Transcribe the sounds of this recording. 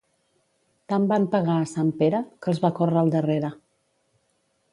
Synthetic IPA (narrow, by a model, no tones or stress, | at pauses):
t̪ambampəɣaːsampeɾəkəlˠzβakɔrəːlˠd̪əreɾə